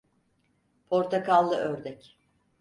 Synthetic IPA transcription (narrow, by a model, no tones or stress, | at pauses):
pʰo̞ɾt̪ʰakalˠːɯʔøɾd̪ɛc